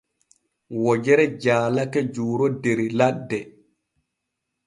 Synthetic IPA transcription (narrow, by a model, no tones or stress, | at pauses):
wɔd͡ʒɛɾɛd͡ʒaːlakɛd͡ʒuːɾɔdeɾiladːɛ